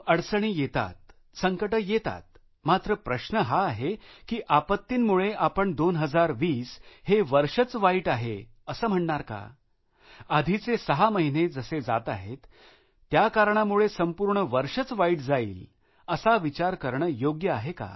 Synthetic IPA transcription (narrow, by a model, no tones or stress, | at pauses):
əɽsəɳ̃iːjet̪a̰t̪̚ | səŋkəʈəjet̪a̰t̪̚ | mat̪ɾəpɾəɕnəɦaːɦekiːʔapət̪ːiːnmuɭeʔapəɳd̪onɦəd͡zaɾʋiːsheʋəɾʂət͡sʋaiʈaɦḛ | əsəːm̤əɳɳaɾka̰ | ad̪ʱit͡sesəɦaməɦined͡zəsed͡za̰t̪a̰ɦet̪ː | jakaɾɳ̃amuɭesəmpuːɾɳəʋəɾʂət͡sʋaiːʈd͡zaḭːl | əsaʋit͡ɕaɾkəɾɳəjoɡjəaɦeka̰